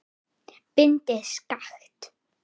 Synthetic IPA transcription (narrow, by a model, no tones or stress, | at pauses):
pɪnt̪ɪskaθt̪